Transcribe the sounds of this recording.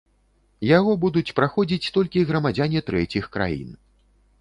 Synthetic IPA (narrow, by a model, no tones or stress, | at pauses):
jaɣɔbud̪ut͡sʲpɾaxɔd͡zʲit͡sʲt̪ɔlʲkʲiɣɾɐmad͡zʲanʲit̪ɾɛt͡sʲixkɾa̰jḭn